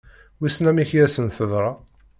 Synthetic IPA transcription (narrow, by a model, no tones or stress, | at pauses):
wisnæmiçjæsənθəðˤɾˤɑ